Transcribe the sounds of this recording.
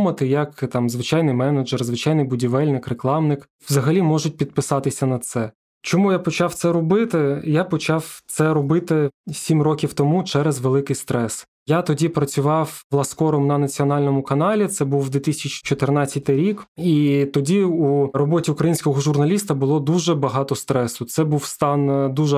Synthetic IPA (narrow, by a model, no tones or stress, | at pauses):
mɐt̪ɪjɐkt̪ɑmzʋɪt͡ʃɑjnɪjmɛnɐd͡ʒɛrzʋɪt͡ʃɑjnɪjbʊdʲiʋɛlʲnɪkreklˠɑmnɪk | wzɐɦɐlʲimɔʒʊt̚ʲpʲid̪̚pɪsɑt̪ɪsʲɐnɐt̪sɛ | t͡ʃɔmujapɔt͡ʃɑwt̪sɛɾɔbɪt̪ɪjapɔt͡ʃɑwt̪sɛɾɔbɪt̪ɪsʲimrɔkʲiwt̪ɔmut͡ʃɛɾɛzʋelˠɪkɪjst̪ɾɛs | jat̪ɔdʲipɾɐt͡sʲʊʋɑwʋlˠɐskɔɾɔmnɐnɐt͡sʲiɔnɑlʲnɔmʊkɐnɑlʲit̪sɛbuwd̪ʲʋʲit̪ɪsʲt͡ʃt͡ʃɔt̪ɪrnɑt͡sʲːɐt̪ɪjɾʲikit̪ɔdʲiurɔbɔtʲiukɾɐjinʲsʲkɔɦɔʒʊrnɐlʲis̬t̪ɐbʊlˠɔd̪uʒɛbɐɦɑt̪ɔst̪ɾɛsʊt̪sɛbuwst̪ɑnd̪uʒɛ